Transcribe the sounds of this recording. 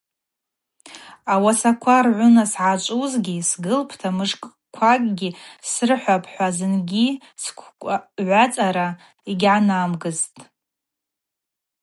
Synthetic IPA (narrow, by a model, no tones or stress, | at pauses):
awasakʷʰarʕʷʊnasʕat͡ʃʷʼuzɡʲisɡɨlpʰtʰamɨʂkʼ | kʷʰakʼɡʲisɨrħʷapʰʼħʷazɨnɡʲi | skʷʰʼʕʷat͡sʼaɾa | iɡʲʕanamɡɨztʼ